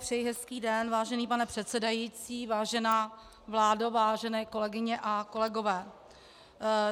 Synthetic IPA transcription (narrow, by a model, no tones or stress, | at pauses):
pr̥ɛjɪɦɛskiːdɛnvaːʒɛniːpanɛpr̥ɛt̪t͡sɛdajiːt͡siːvaːʒɛnaː | vlaːdovaːʒɛnɛːko̞lɛɡɪɲɛʔako̞lɛɡo̞vɛː